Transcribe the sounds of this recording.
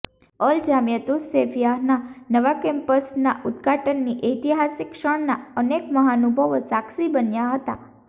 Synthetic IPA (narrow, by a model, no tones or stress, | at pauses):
əld͡ʒamjət̪useʋijaɦnanəʋakɛmpəsnaʔud̪ɡʱaʈənːiʔəjt̪iɦasikʃəɳnaənekməɦanubʱəʋosaksibənjaɦət̪a̰